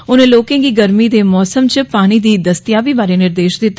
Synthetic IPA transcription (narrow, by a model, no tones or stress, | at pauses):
ʊnẽːloːkẽːɡiːɡəɾmiːd̪eːmɔːsəmt͡ʃpaːɽ̃iːd̪iːd̪əst̪ɪjaːʋiːbaːɾeːnɪɾd̪eːʃd̪ɪt̪ː